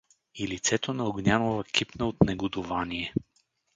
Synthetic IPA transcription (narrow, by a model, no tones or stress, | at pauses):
ilit̪sɛt̪onɐoɡnʲanovɐkʲʰipnəot̪nɛɡod̪ʊvaniɛ